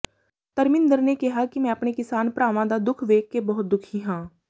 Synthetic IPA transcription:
t̪əɾmɪ̃nd̪əɾneːkɪɦaːkɪmɛ̃ːəpɳeːkɪsaːnpɾaːʋãːd̪aːd̪ʊkʰʋeːkːeːbɔːʊt̪̚d̪ʊkʰiːɦãː

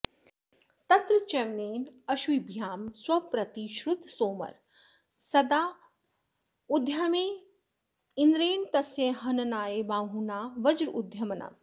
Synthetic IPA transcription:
t̪ɐt̪ɾɐt͡ʃɐmneːnɐʃʋibʱjaːmswɐpɾɐt̪iʃɾut̪soːmɐ̰ɾ | sɐd̪aː | ud̪ʱjɐmeː | ind̪ɾeːnt̪ɐsjeɦɐnɐnaːjebaːɦunaːʋɐd͡ʒɾud̪ʱjɐmɐna̰

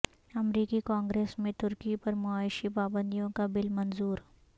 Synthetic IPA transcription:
ɐmɾiːkikãːŋɡɾeːsmẽt̪ʊɾkipɐɾmʊaːɪʃipaːbə̃nd̪ijõkabɪlmɐnzuːɾ

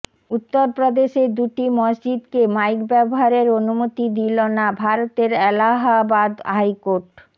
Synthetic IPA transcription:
ut̪ːoɾpɾod̪eʃeɾd̪uʈimʌd͡ʑd͡ʑid̪kemajkbɛboɦaɾeɾonumot̪id̪ilonabʱaɾot̪eɾɛlaɦabad̪ɦajkoɾʈ

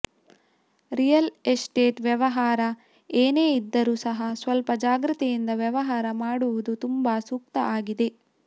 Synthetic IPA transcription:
ɾijɐlesʈeːʈʋjɐʋɐɦaːɾɐ | eːneːid̪ːɐɾuːsɐɦɐsʋɐlpɐd͡ʒaːɡɾit̪ijind̪ɐʋjɛʋɐɦaːɾɐmaːɽuʋud̪ut̪umbɐsuk̚t̪ɐʔaːɡid̪e̞

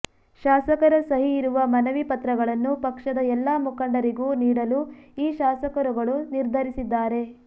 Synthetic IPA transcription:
ʃaːsɐkɐɾɐsɐɦiːɾuʋɐmɐnɐʋipɐt̪ɾɐɡɐɭɐnːupɐkʂɐd̪ɐɛlːaːmukɐɳɖɐɾiɡuːniːɽɐluiːʃaːsɐkɐɾuɡɐɭuniɾd̪ʱɐɾisid̪ːaːɾe̞

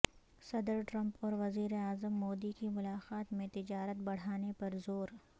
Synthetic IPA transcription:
sɐd̪ɾʈɾɐ̃mpɔːɾʋɐziːɾeaːzəmːoːd̪ikimʊlaːqaːt̪mẽt̪ɪd͡ʒaːɾət̪̚bɐɽ̤aːnepɐɾzoːɾ

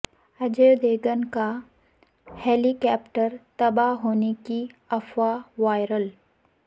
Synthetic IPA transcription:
ɐd͡ʒeːd̪eːɡənka | heːlikɛːpʈəɾt̪ɐbaɦoːnekiɐfwaʋaːɪɾəl

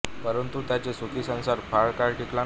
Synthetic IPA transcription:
pəɾənt̪ut̪jat͡ɕesukiːsə̃w̃saɾfʰaɭkaɾʈʰikla

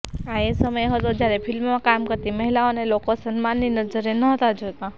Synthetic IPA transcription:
aesəməjɦət̪od͡ʒjaɾepʰɪlmːãkamkəɾt̪iməɦilaonelokosənmanːinəd͡ʒəɾenəɦt̪ad͡ʒot̪a

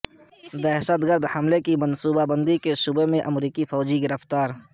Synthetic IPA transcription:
d̪ɛɦʃət̪ɡəɾd̪hɐmlekimɐnsuːbabə̃nd̪ikeʃʊbemẽʔɐmɾiːkifɔːd͡ʒiɡɪɾəft̪aːɾ

